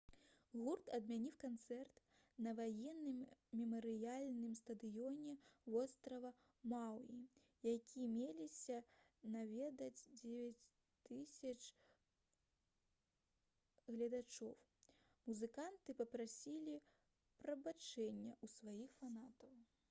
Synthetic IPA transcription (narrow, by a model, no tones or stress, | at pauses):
ɣurt̪ɐd̪mʲanʲiwkant̪sɛrt̪ | nɐvajɛnːɨmːʲɛmɐɾɨjalʲnɨmst̪ɐd̪ɨjɔnʲɛvɔst̪ɾɐvɐ | mawi | jakʲʰimʲelʲisʲɐ | navʲɛd̪ɐd͡zʲd͡zʲevʲat͡sʲ | t̪ɨsʲɐt͡ʂ | ɣlʲɐd̪at͡ʂɔw | muzɨkant̪ɨpɐpɾasʲilʲi | pɾɐbat͡ʂɛnʲːɐʔusvajixfanat̪ɐw